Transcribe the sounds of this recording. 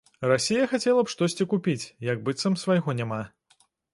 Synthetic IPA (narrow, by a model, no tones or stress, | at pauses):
rasʲijɐxat͡sʲɛlˠɐpʂt̪ɔsʲt͡sʲikupʲit͡sʲjɐɡ̚bɨt̪sɐmsvajɣɔnʲama